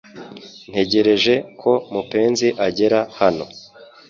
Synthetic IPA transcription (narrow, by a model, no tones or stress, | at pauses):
n̥he̞ɟe̞ɾe̞ʒe̞kʰo̞mupe̞ːnziʔaɟe̞ɾahano̞̰